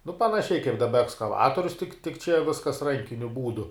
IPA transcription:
nʊ pɐnɐˈʃʲɛɪ kɐɪp dɐˈbɐ ɛkskɐˈʋɑːtoːrʲʊs tʲɪk tʲɪk t͡ʃʲɛ ˈʋʲɪskɐs ˈrɐŋʲkʲɪnʲʊ ˈbuːdʊ

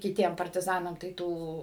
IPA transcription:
kʲɪˈtʲiɛm pɐrʲtʲɪˈzɑːnɐm tɐɪ ˈtuː

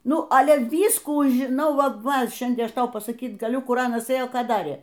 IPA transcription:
ˈnʊ ˈɑːlʲɛ ˈʋʲiːskuː ʒʲɪˈnɐʊ ˈʋɐ ˈʋɐ ˈʃʲɛnʲdʲiɛn ˈɐʃ ˈtɐʊ pɐsɐˈkʲiːt ɡɐˈlʲʊ ˈkʊr ˈɑːnɐs ˈeːjoː ˈkɑː ˈdɑːrʲeː

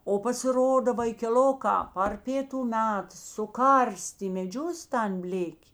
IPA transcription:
oː pɐsʲɪˈroːdɐ ʋɐɪkʲɛˈlˠoːkɑː pɐr ˈpʲeːtʊ ˈmʲɛt sʊˈkɐrʲsʲtʲeː ɪ mʲɛˈd͡ʒʲʊs tɐn ˈbʲlʲeːkʲeː

